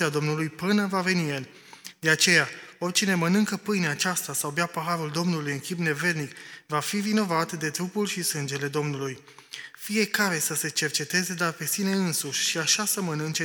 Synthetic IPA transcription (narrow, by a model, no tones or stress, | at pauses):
ad̪o̞mnulujpɨnəvave̞niən | d̪e̞at͡ʃe̞jao̞rʲt͡ʃine̞mənɨŋkəpɨjneat͡ʃast̪asawbeapəɦaɾuld̪o̞mnulujɨŋkʲipne̞ve̞ɾnikvafivino̞vat̪d̪e̞t̪ɾupulʃisɨnd͡ʒe̞le̞d̪o̞mnuluj | fije̞kaɾe̞səse̞t͡ʃe̞rt͡ʃe̞t̪e̞ze̞d̪arpe̞sine̞ɨnsuʃʲʃiaʃasəmənɨnt͡ʃe